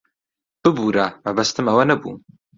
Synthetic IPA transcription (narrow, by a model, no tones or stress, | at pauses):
b̥ɨbuɾamɐbɐst̪ɨmɐwɐnɐbṵ